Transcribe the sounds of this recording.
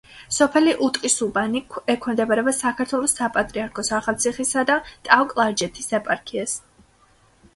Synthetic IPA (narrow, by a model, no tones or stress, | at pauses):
sɔpʰɛliʔut̪ʼqʼisubanikʰɛkʰɛmd̪ɛbaɾɛbasakʰaɾt̪ʰwɛlˠɔsapʼat̪ʼɾiaɾkʰɔsaχalt̪sʰiχisad̪at̪ʼawkʼlˠaɾd͡ʒɛt̪ʰisɛpʼaɾkʰiɛs